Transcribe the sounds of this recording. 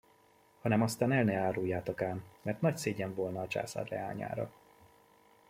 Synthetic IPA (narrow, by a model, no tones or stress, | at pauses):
hɒnɛmɒst̪aːnɛlnɛaːɾujːaːt̪okaːnmɛrt̪nɒcseːɟɛɱvo̞lnɒːt͡ʃa̰ːsa̰ːrlɛ̰aːɲa̰ːɾɒ̰